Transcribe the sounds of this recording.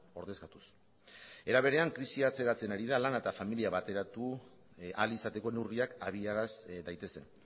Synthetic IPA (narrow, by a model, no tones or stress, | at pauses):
o̞ɾðe̞skat̪us | e̞ɾaβ̞e̞ɾe̞aŋkɾisiat͡se̞ɣat͡se̞naɾiðalanet̪afamiliaβat̪e̞ɾat̪u | alisat̪e̞ko̞newriakaβiaɾasd̪ajt̪e̞se̞n